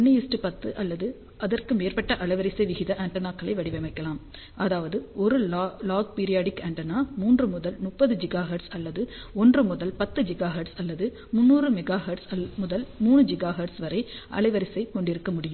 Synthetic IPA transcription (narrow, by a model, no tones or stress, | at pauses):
ɔnːɯjɪsʈɯpɐt̪ːɯʔɐlːɐðɯ | ʔɐðɐrkɯmeːrpɐʈːɐʔɐɭɐɪʋɐɾɪsɐɪʋɪɣɪðɐʔɐɳʈɐnaːkːɐɭɐɪʋɐɽɪʋɛmɐɪkːɐlaːm | ɐðaːʋɐðɯʔɔɾɯlaːɡ̚piːɾɪjaːɽɪkɐɳʈɐnaːmuːndrɯmʊðɐlmʊpːɐðɯd͡ʒɪɡaːɦɐɖsɐlːɐðɯ | ɔndrɯmʊðɐlpɐt̪ːɯd͡ʒɪɡaːɦɐɖsɐlːɐðɯ | mʊnːuːrɯmɛɡaːɦɐɖsɐmʊðɐlmuːɳɯd͡ʒɪɡaːɦɐɖsʋɐɾɐɪʔɐ̰ɭɐɪʋɐɾɪsɐɪkɔɳɖɪɾɯkːɐmʊɽɪjɯm